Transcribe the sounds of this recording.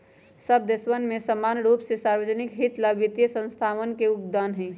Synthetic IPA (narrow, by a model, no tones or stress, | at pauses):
səb̚d̪esʋənmesəmanɾupsesaɾwəd͡ʒənikɦit̪labit̪jəsə̃nst̪ʰawənkeuk̚d̪anɦɛ̃